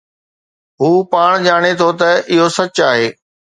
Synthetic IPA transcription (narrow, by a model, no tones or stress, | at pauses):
ɦuːpaːɽ̃d͡ʑaːɽ̃et̪ʰot̪ɐʔɪɦosɐt͡ɕaːɦeː